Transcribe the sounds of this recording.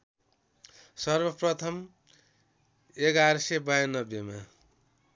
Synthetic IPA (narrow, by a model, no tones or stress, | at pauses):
sʌrbʌprʌt̪ʰʌm | eɡaɾʌsebajnʌbjema